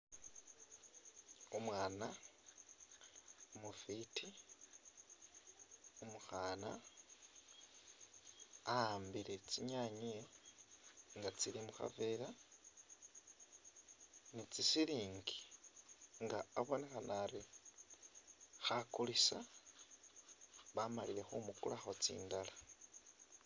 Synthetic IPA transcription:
omwaːna | omufitʰi | omuxaːna | ahaːmbiɾet͡siɲaːɲie | ŋɡat͡siɾimuxa̰veːɾa | nit͡sisiliːŋɡi̥ | ŋɡaːβo̞ne̞xanaɾi | xakulisa̰ | βamaliɾe̞xumukulaxot͡sḭːndala

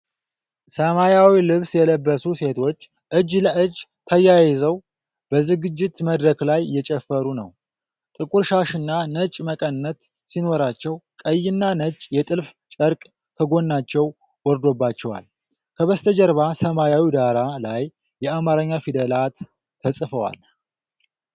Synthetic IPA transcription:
səmajawilɨβsjɛləbːəsuse̞t̪ʰo̞t͡ʃː | ʔɨd͡ʒləʔɨd͡ʒt̪ʰəjajɛzəw | b̥əzɨɡɨd͡ʒːɪt̪məd̪ɾəklajːɛt͡ʃʼɛfːəɾunə̰w | t̪ʼɨkʼuɾʃaʃɨnːanət͡ʃʼməkʼənːət̪ | sino̞ɾat͡ʃːɛwkʼəjːɪnːanət͡ʃʼjɛt̪ʼɨlft͡ʃʼəɾkʼ | kʰəɡo̞nːat͡ʃːɛw | wɔɾd̪o̞bːat͡ʃːɛwa̰l | kʰəβəst̪ʰəd͡ʒəɾβasəmajawid̪aɾalajː | ɛamaɾəɲːafid̪əlat̪ʰː | əsʼfəwa̰l

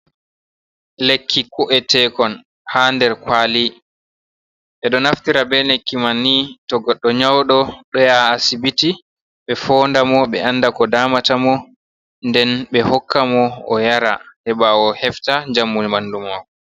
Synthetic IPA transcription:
lekʰːikɔʔɛtɛkɔn | handɛɾkwali | ʔɛɗɔnaftiɾabɛnekːimanːitɔɡɔɗːɔɲawɗɔɗɔjaːsibiti | ɓɛfɔːndamɔɓɛ̰anːdakɔdaːmatamɔ | ndɛnɓɛhɔkʰːamɔɔ̰jaɾahɛɓawɔhɛftaɲd͡ʒamːunmandumakɔ

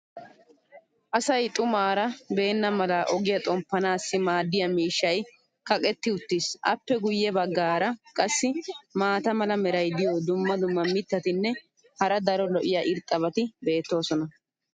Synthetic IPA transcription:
ʔɐsɐjt̪ʼʊmaːɾɐbe̞ːnːɐmɐlɐʔɔɡɪjɐt̪ʼɔmpːɐnaːsːɪmaːd̪ːɪjɐmiːʃːɐj | kɐkʼɛt̪ːɪʊt̪ːɪsʔɐ̰pːɛɡʊjːɛbɐɡːaːɾɐkʼɐsːɪmaːt̪ɐmɐlɐmɛɾɐjd̪ɪjod̪ʊmːɐd̪ʊmːɐmɪt̪ːɐt̪ɪnːɛ | hɐɾɐd̪ɐɾɔlɔʔɪjɐʔɪɾt̪ʼːɐβɐt̪ɪbe̞ːt̪ːo̞ːsɔnɐ

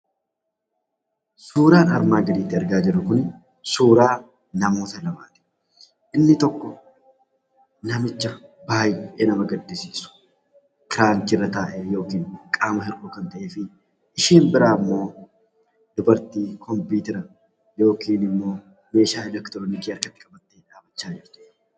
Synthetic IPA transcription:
suːɾaːnɐɾmaːɡɐd̪iːt̪ːɪɐɾɡaːd͡ʒɪrːʊkʊn | suːɾaː | nɐmo̞ːt̪ɐlɐbaːt̪ɛ̥ | ʔɪnːɪt̪ɔkːɔ | nɐmɪt͡ʃːɐbaːjʔɛʔeːnɐmɐɡɐd̪ːɪsiːsʊ̥ | kɪɾaːnt͡ʃɪrːɐt̪aːʔeːjo̞ːkiːnkʼaːmɐɦɪɾʔoːkɐnt̪ɐʔeːfɪ | ʔɪʃiːmbɪɾaːmːo̞ː | d̪̥ʊbɐɾt̪iːkʰɔmpiːt̪ɛɾɐ | jo̞ːkiːnɪmːo̞ː | me̞ːʃaːɛlɛkt̪ɾoːnikiːɐɾkɐt̪ːɪkʼɐbɐt̪ːeːᶑaːbɐt͡ʃːaːd͡ʒɪɾt̪ɪ̥

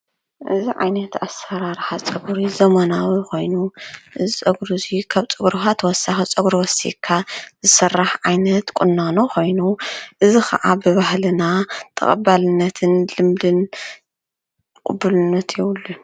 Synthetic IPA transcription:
ʔɨziʕa̰jnɐt̪asːɐɾaɾħat͡sʼɨɡɾizɐmɐnawiko̞jnuʔɨzit͡sʼɐɡɾuzikʰaβt͡sʼɨɡɾuxat̪ʰwɔsːaxit͡sʼɐɡɾiwɔsḭkʰːazɨsɐrːaħʕajnɐt̪kʼʊnːanokʰo̞jnuʔɨzixʰɐ̰ʔabɨβahlɨnat̪ʰɐ̰χʼɐ̰balɨnːɐt̪ʰɨnlɨmd̪ɨn | kʼʊbːulɨnːɐt̪ʰjɛwlːu

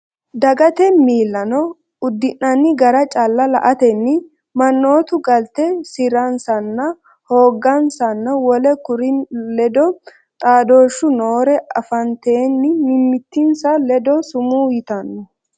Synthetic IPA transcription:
d̪ɐɡɐt̪ɛmiːlːɐnɔ | ʊd̪ːɪnːɐnːɪɡɐɾɐt͡ʃʼɐlːɐlɐʔɐt̪ɛnːɪ | mɐnːo̞ːt̪ʊɡɐlt̪ɛsɪɾɐnsɐnːɐ | ho̞ːɡːɐnsɐnːɐwɔlɛkʊɾɪnlɛd̪ɔ | t̪ʼaːd̪o̞ːʃːʊno̞ːɾɛɐfɐnt̪eːnːɪmɪmːɪt̪ːɪnsɐlɛd̪ɔsʊmuːjɪt̪ɐnːɔ

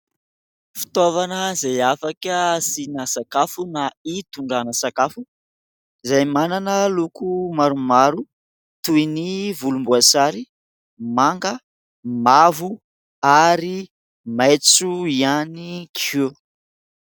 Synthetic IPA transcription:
fi̥t̪ovanəzajafakəsinasakafunait̪uɳɖ͡ʐanəsakafu | izajmananəlukumaɾumaɾu | t̪uinivulumbuasaɾi | maŋɡə | mavu | aɾi | majt͡suianikʰu

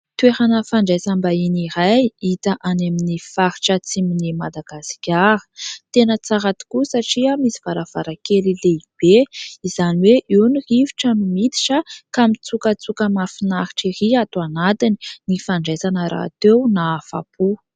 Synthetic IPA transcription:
t̪weɾanəfaɳɖ͡ʐejzambainiɾajit̪aʔaneminifaɾi̥ʈ͡ʂət͡siminimad̪aɡ̥asi̥kʲaɾə̥t̪enət͡saɾat̪i̥kusaʈ͡ʂiamisiv̥aɾəv̥a̰ɾakelileib̥eizaniweʔiwniriviʈ͡ʂamimit̪i̥ʈ͡ʂəkamit͡sukət͡sukəmafinaɾi̥ʈ͡ʂiriat̪uanat̪ini̥nifaɳɖ͡ʐazanəɾa̰t̪ewnaːfa̰pʰu

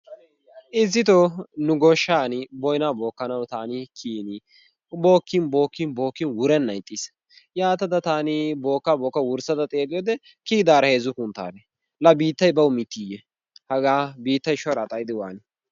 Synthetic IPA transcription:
ʔɪzːɪt̪ɔnʊɡɔʃːaːnɪbɔjnaːbo̞ːkːɐnɐwt̪aːnɪkʰiːnɪ | bo̞ːkːɪnbo̞ːkːɪnbo̞ːkːɪnwʊɾɛnːɐjt̪ʼːis | jaːt̪ɐd̪ɐt̪aːnɪbo̞ːkːabo̞ːkːɐwʊɾsɐd̪ɐt̪ʼeːkʼɪjɔd̪ɛ | kiːd̪aːɾɐheːzʊkʊnt̪ːa̰ːlɛ | lɐbiːt̪ːɐjbɐwʊmɪt̪ːiːjɛ | hɐɡaːbiːt̪ːɐjʃɔɾɐt̪ʼɐjd̪ɪwaːnɪ

